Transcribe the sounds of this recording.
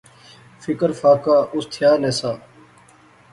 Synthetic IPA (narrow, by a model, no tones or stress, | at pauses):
fɪkəɾfaːkaːʔʊst̪ʰjaːneːsaː